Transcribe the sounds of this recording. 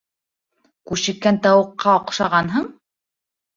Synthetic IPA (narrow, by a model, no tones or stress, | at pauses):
kʉʃɘ̆kːænt̪ɑwɤ̆qːɑoqʃɑʁɑnɦɤɴ